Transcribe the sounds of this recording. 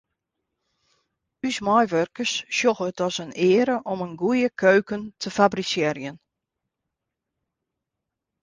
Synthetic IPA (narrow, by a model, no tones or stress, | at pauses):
ysmɔjʋørkərsːjoxətɔsənɪːəɾəʔɔmənɡujəkʰøɥkəntʰəfabrisɪrjən